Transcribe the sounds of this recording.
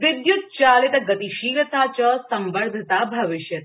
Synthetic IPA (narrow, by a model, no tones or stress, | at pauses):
ʋɪd̪jut̪̚t͡ʃaːlet̪ɐɡət̪iʃiːɾət̪at͡ʃəsə̃mʋəɭd̪ʱət̪abʱɐʋɪʃjət̪